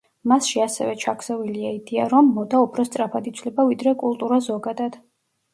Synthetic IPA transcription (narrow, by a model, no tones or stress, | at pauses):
masʃiasɛ̰vɛt͡ʃʰakʰsɛviliaid̪ia̰ɾɔmːɔd̪aupʰɾɔst̪sʼɾapʰad̪it̪sʰlɛbavid̪ɾɛkʼulˠt̪ʼuɾazɔɡad̪ad̪̥